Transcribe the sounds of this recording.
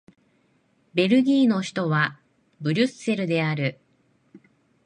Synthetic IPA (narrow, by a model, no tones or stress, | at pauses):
be̞ɾɯ̟ɡʲiːno̞çi̥t̪o̞βa | bɯ̟ɾʲɨ̟se̞ɾɯ̟d̪e̞aɾɯ̟